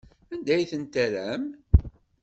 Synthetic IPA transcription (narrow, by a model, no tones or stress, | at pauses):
ænd̪æjθənt̪æɾæm